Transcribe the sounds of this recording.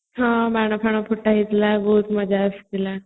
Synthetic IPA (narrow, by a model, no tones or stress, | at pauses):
ɦãmaɳ̃əpʰəɳ̃əpʰuʈaɦit̪labəɦut̪məd͡ʑʱaəst̪ila